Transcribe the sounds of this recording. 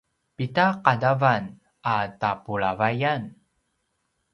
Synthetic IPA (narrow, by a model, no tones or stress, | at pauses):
pitaqadavan | atapuɭavajan